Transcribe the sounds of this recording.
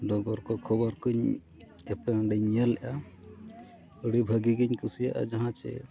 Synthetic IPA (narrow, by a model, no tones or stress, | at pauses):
ɖɔɡɔɾkɔkʰɔbɔɾkuɲ | ɛpɛ̃ɖɛɲjalɛ̰ʔa | əɽibʱəɡiɡiɲkusijaʔa̰d͡ʒaɦãt͡ʃɛ̰